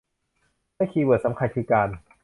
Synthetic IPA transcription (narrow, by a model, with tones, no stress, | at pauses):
maː˥˩˨kʰiː˧bɯ˨˩ət̪̚sa˨˦mkʰa˧kʰɯː˧˩kaː˧n